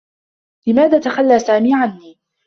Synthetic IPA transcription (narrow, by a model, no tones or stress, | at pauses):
lɪmaːðaːt̪axalːaːsaːmiːʕanːiː